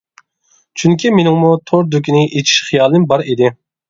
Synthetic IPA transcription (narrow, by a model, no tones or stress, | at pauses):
t͡ʃʰyŋkʲimenɪŋmut̪ʰoɾd̪ukʲinɪʔet͡ʃʰi̥ʃχɨjɑːlˠɨnbɑɾid̪ɪ